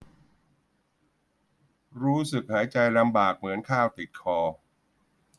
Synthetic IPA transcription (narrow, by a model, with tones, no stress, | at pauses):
ɾuː˦˥sɯ˨˩k̚haː˩˦jt͡ɕa˧jla˧mbaː˨˩k̚mɯ˩˦ənkʰaː˥˩wt̪i˨˩t̪̚kʰɔː˧